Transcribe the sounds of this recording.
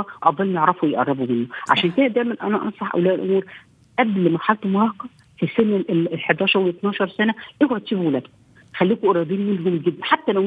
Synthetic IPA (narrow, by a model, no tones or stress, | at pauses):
ɑʔɑd̪ˤːɑlmjeʕɾˤɑfuwejeʔɑ̰rˤːɑbumenːoʕa̰ʃæːnked̪æd̪æjmænʔæ̰næʔɑ̰nsˤɑħʔæ̰wlæːʔelʔo̰muːɾ | ʔæblmɑɾˤħalt̪omɑɾˤɑːhqɑ | fisenːælħed̪ɑːʃɑɾˤwet̪nɑːʃɑɾˤsænæʔewoʕt̪ːiːbwelæːd̪kom | xælːiːkoʔɑɾˤɑb̪iːnmelɦomlɡed̪ːænħat̪ːælæw